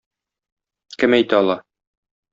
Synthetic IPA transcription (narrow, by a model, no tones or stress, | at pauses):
kɘmæjt̪æɒlˠɑ